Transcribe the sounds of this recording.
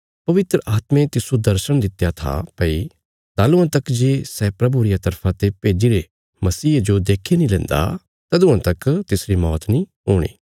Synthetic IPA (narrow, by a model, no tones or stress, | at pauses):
pɐʋɪt̪ɾəʔaːt̪mẽt̪ɪsud̪ɐɾʃəɽ̃d̪ɪt̪ːjat̪ʰa̰pɐi | t̪aːlũãt̪ɐkd͡ʒeːsɛːpɾɐbuɾɪjat̪ɐɾpʰãt̪epeːd͡ʒiɾe | mɐsiːd͡ʒod̪eːkʰenĩlɛ̃ːnd̪a̰ | t̪ɐd̪ʊ̃ãt̪ɐkt̪ɪsɾimɔːt̪nĩɦoːɽ̃ḭː